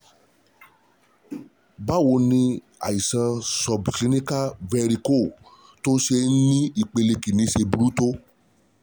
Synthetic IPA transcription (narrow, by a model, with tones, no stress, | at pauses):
ba˦˨wo˧nĩ˧ | a̰˨i˨sã˧sɔ˨bkli˨˦nĩ˦ka˦vɛ˧ɾi˧ko˦˨ | to˦ʃe˧˦nĩ˦i˦˨k͡pe˧le˧ki˨nĩ˧˦ʃe˧bu˨˦ɾu˦to˦